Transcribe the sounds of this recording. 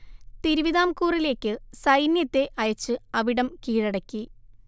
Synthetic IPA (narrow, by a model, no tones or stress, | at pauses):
t̪iɾuʋiðaːmkuːrile̞ːkʲːɨsɐjnjɐt̪ːe̞ʔɐjɐt͡ɕːɨɐʋiɽɐmkiːɻɐɽɐkʲːi